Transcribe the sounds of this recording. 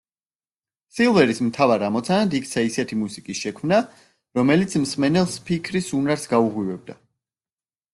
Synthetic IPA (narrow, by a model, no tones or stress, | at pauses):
silˠvɛɾismt̪ʰavaɾamɔt̪sʰanad̪ik̚t̪sʰaisɛt̪ʰimusikʼisʃɛkʰmna | ɾɔmɛlit̪sʰmsmɛnɛlˠspʰikʰɾisunaɾsɡauʁwivɛb̚d̪a